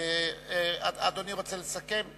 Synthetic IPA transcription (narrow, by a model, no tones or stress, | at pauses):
aad̪oniʁot͡selesake̞m